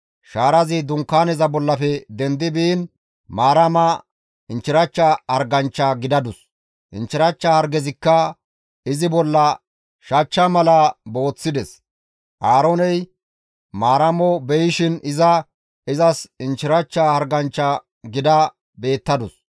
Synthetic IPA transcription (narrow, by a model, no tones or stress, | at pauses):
ʃaːɾɐzɪd̪ʊŋkːaːnɛzɐbɔlːɐfɛd̪ɛnd̪ɪbiːn | maːɾɐmɐ | ɪnt͡ʃːɪɾɐt͡ʃːɐhɐɾɡɐnt͡ʃːɐɡɪd̪ɐd̪ʊs | ʔɪ̰nt͡ʃːɪɾɐt͡ʃːɐhɐɾɡɛzɪkːɐ | ɪzɪbɔlːɐ | ʃɐt͡ʃːɐmɐlɐbo̞ːt͡sːɪd̪ɛs | ʔaːɾonɛj | maːɾɐmɔbɛjɪʃɪnɪzɐ | ɪzɐsɪnt͡ʃːɪɾɐt͡ʃːahɐɾɡɐnt͡ʃːɐ | ɡɪd̪ɐ | be̞ːt̪ːɐd̪ʊs